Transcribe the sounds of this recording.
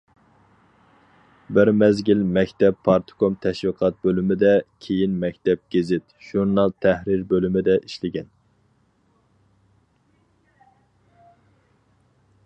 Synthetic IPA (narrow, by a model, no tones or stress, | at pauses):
bɪɾmɛzɡʲilmɛkʲt̪ɛpʰːɑɾt̪ʰkomt̪ʰɛʃwiqʰɑt̪̚bølymɪd̪ɛkʲʰejinmɛkʲt̪ɛp̚ɡ̥ʲezɪt̪ʒ̥uɾnɑlˠt̪ʰæhɾiɾbølymɪd̪ɛʔiʃlɪɡʲɛn